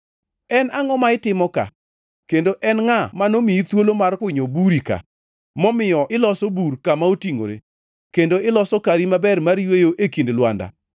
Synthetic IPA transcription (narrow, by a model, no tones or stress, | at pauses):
ɛnaŋɔmaɪtɪmɔka̰ | kendoʔɛnŋamanomiit̪wolomarkwɪɲobuɾika̰ | mɔmɪjɔʔɪlɔsɔburkamaotiŋo̰ɾḛ | kendoɪlɔsɔkaɾimabɛrmaɾjwejoʔekindlwanda̰